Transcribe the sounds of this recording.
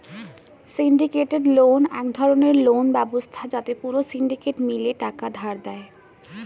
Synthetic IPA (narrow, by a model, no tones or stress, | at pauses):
siɳɖikeʈeɖlonɛkd̪ʱɔɾoneɾlonbɛbost̪ʰad͡ʑat̪epuɾosiɳɖikeʈmileʈakad̪ʱaɾd̪ɛe